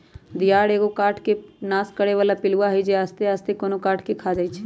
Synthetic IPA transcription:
d̪ijaːɽeːɡokaːʈʰkenaːskəɽeʋaːlapɪluʋaɦɛjd͡ʒeaːst̪eaːst̪ekonokaːʈʰkekʰad͡ʒaːit͡ʃʰɛ

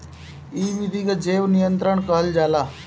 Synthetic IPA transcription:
iːʋid̪ʱikad͡ʒeːʋnijənt̪ɾəɳkəɦəld͡ʒaːlaː

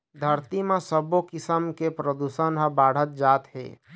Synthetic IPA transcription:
d̪ʱəɾt̪imesəbokɪsəmkepɾəd̪usənɦəbaɽ̤ət̪̚d͡ʒat̪ɦḛ

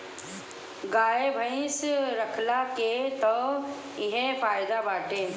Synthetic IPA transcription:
ɡaːebʱəĩsɾəkʰlaket̪ɔ | ɪɦẽpʰaːjd̪abaːʈe

